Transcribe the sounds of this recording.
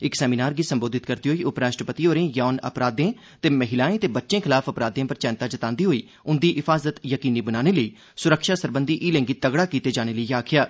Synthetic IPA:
ɪksɛːmiːnaːɾɡiːsə̃mboːd̪ɪt̪kəɾt̪iːɦoːiːʔʊpɾaːʃʈɾəpət̪iːoːɾẽːjaːnə̰pɾaːd̪ẽː | t̪eːməɦɪlaːẽːt̪eːbətːʃẽːkʰɪlaːpʰəpɾaːd̪ẽːpəɾt͡ʃɛ̃ːnt̪aːd͡ʒət̪ãːnd̪iːɦoːiː | ʊnd̪iːʔɪpʰaːzət̪jəkiːniːbənaːɽ̃eːləiː | sʊɾəkʰʃaːsəɾbənd̪iːʔːlɛ̃ːŋɡit̪əɡɽaːkiːt̪eːd͡ʒaːɽ̃eːləiːaːkʰɪjaː

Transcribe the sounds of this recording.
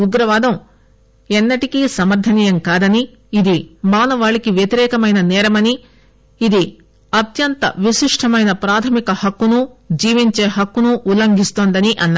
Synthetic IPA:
uɡɾɐʋaːd̪ɐm | ɛnːɐʈikisɐmɐɾd̪ʰʱɐniːjɐmkaːd̪ɐniː | d̪imaːnɐʋaːɭikiʋjɐt̪iɾɛːkɐmɐjnɐnɛːɾɐmɐniː | d̪i | ɐt̪jɐnt̪ɐ̰ʋiʃiʂʈʰɐmɐjnɐpɾaːt̪ʰɐmikɐhɐkːunud͡ʒiːʋiɲt͡ʃeːɦɐkːunuʔːlɐŋɡʱist̪oːnd̪ɐniʔɐnːa

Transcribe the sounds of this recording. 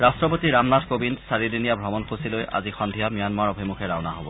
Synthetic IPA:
ɹastɹɔpotiɹamnatkobinsaɹidinijabʱɔmɔnxusilojʔa̰zixɔnd̪ʱijamijanmaɹɔbʱimukʰɛɹawnaɦobɔ̰

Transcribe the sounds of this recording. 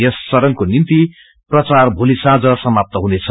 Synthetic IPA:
jesːʌɾʌŋkonint̪i | prʌt͡sarbʱulisad͡zʌsʌmap̚t̪ʌɦunet͡sʰʌ

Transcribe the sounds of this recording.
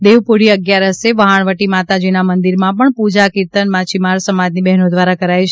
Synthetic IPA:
d̪eʋpuɽiəɡjaɾəseʋəɦaɳʋəʈimat̪ad͡ʒinamənd̪iɾmãpəɳpud͡ʒakiɾt̪ənmat͡ʃimaɾsəmad͡ʒnibɛɦnod̪ʋaɾakəɾajt͡ʃʰ

